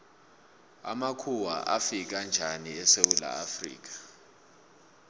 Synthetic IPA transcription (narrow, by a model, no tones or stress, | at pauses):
a̰makʰuwa̰ʔafik̬ʼand͡ʒʱaniɛsewula̰afrḭːk̬ʼḁ